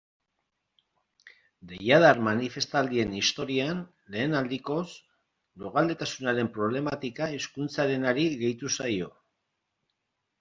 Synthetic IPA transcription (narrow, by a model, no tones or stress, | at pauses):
d̪e̞jaðaɾmanife̞st̪ald̪ie̞nist̪o̞ɾian | le̞ːnald̪iko̞s | loɣald̪e̞t̪asunaɾe̞mpɾo̞β̞le̞mat̪ikaiskunt͡saɾe̞naɾiɣe̞jt̪usajo̞